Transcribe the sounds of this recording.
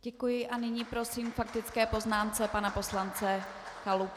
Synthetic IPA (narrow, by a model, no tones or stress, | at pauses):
ɟɛkujɪʔanɪɲiːpɾo̞siːmfak̚t̪ɪt͡skɛːpo̞znaːmt͡sɛpanapo̞slant͡sɛ | xalup